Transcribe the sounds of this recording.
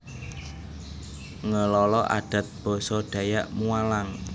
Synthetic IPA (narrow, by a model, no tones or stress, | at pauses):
ŋəlɔlɔʔa̰ɖ̥a̤t̪̚b̥ɔ̤sɔɖ̥a̤jaʔmualaŋ